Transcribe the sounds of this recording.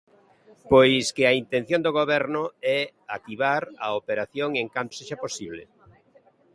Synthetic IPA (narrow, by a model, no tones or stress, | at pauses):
pojskɪaint̪ẽn̟θjond̪oɣ̞oβɛɾnʊɛ | akiβaɾaopeɾaθjoŋeŋkant̪seʃaposiβlɪ̰